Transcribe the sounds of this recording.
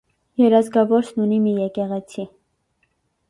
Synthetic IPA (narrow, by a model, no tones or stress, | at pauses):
jɛɾɑzɡɑvɔɾsnunimijɛkɛʁɛt͡sʰi